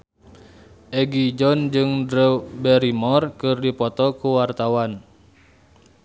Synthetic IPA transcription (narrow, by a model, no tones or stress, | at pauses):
ʔɛɡid͡ʒɔnd͡ʒɨŋdɾɛbɛɾimɔrkɨrdipɔt̪ɔkuwart̪awan